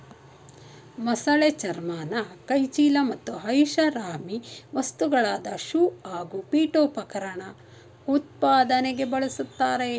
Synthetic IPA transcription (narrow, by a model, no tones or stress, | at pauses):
mɐsɐɭet͡ʃɐɾmaːnɐkɐjt͡ʃiːlɐmɐt̪ːuɦɐjʃɐɾaːmiʋɐst̪uɡɐɭaːd̪ɐʃuːaːɡupiːʈoːpɐkɐɾɐɳɐ | ut̪̚paːd̪ɐneɡe̞bɐɭɐsut̪ːaːɾe